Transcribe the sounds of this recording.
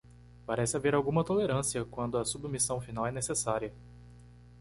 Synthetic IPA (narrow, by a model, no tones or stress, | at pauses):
paɾɛsɪaveɾawɡũmɐt̪oleɾɐ̃siɐkwɐ̃nd̪ʊɐsubmisɐ̃w̃finawɛnesesaɾiɐ